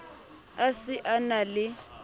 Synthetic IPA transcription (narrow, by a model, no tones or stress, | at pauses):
asɪʔanalɪ